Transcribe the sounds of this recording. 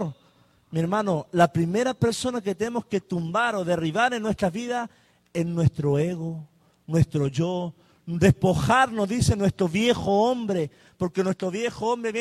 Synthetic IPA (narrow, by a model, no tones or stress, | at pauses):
mieɾmãno̞lapɾime̞ɾape̞ɾso̞naket̪emo̞ske̞t̪umbaɾo̞ðe̞riβaɾenːwe̞st̪ɾaβiðas | e̞nnwe̞st̪ɾoe̞ɣo | nwe̞st̪ɾo̞ʝo̞ | d̪e̞spo̞xaɾno̞zðise̞nwe̞st̪ɾo̞βje̞xo̞ombɾe̞ | po̞ɾke̞nwe̞st̪ɾo̞βje̞xoombɾeβj